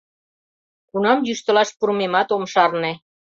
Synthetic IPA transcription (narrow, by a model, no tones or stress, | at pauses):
kunɑmjyʃt̪ə̆lɑʃpuɾmemɑt̪omʃɑrnĕ